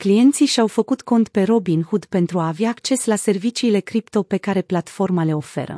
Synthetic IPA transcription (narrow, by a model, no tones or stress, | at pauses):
klije̞nt̪siʃawfəkut̪ko̞nt̪pe̞ɾo̞binhud̪pe̞nt̪ɾuaːvjaːkt͡ʃe̞slase̞rvit͡ʃiːle̞kɾipt̪o̞pe̞kaɾe̞plat̪fo̞rmale̞o̞fe̞̰ɾə̰